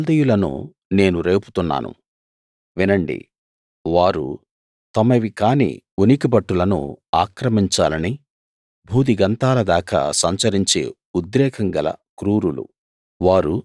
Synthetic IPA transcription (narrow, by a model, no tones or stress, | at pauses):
ld̪ɐjulɐnṵ | ne̞ːnuɾe̞ːpu̥t̪unːa̰ːnṵ | ʋinɐɳɖḭ | ʋaːɾṵ | t̪ɐmɐʋikaːnḭunikibɐʈːulɐnṵaːkɾɐmiɲt͡ʃa̰ːlɐni | bʱuːd̪iɡɐnt̪aːlɐd̪aːkɐ̰sɐɲt͡ʃɐɾiɲt͡ʃḛː | ud̪ɾɛːkʰɐŋɡɐlɐ̰kɾuːɾulṵ | ʋaːɾu